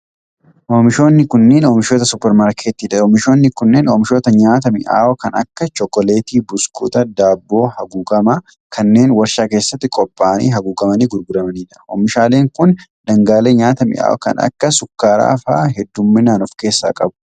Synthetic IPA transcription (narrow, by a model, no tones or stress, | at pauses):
ʔoːmɪʃo̞ːnːɪkʊnːeːnoːmɪʃoːt̪ɐsʊpɛɾmaːɾkʰeːt̪iːᶑɐoːmɪʃo̞ːnːɪkʊnːeːnomɪʃo̞ːt̪ɐɲaːt̪̬ɐmɪʔa̰ːʔɔkɐnɐ̰kːɐt͡ʃɔkːɔle̞ːt̪iːbʊskṵːt̪ɐd̪aːbːo̞ːhɐɡuːɡɐmɐ | kʰɐnːe̞ːnwɐɾʃaːke̞ːsːɐt̪ːɪkʼɔpʼːaːɐnḭːɦɐɡuːɡɐmɐniːɡʊɾɡʊɾɐmɐniːᶑɐo̰mɪʃaːle̞ːŋkʊnd̪ɐŋɡaːleːɲaːt̪ɐmɪ̰ʔa̰ːʔɔ̰kɐ̰nɐ̰kːɐsʊkːaːɾa̰ːfa̰ːɦɛd̪ːʊmːɪnaːnɔfke̞ːsːa̰ːkʼɐbʊ̥